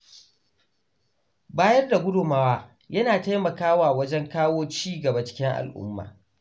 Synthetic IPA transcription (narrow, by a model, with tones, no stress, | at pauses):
baː˦jɐ˦rda˨ɡʷʊ˦dʊ˨maː˦waː˦ | jɐ˦naː˨ta˦jmɐ˨kaː˦waː˨wɐ˦d͡ʒɛ˦ŋkaː˦woː˦t͡ʃiː˦ɡɐ˨ba˨t͡ʃɪ̥˦kʲɪ˦ŋʔa̰˨lʔʊ̰˦mːa̰ː˨